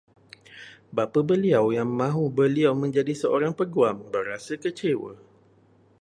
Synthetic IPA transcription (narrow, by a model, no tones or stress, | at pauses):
bapəbəliawjaŋmãɦubəliawmə̃ɲd͡ʒadisəoɾaŋpəɡuambəɾasakət͡ʃewa̰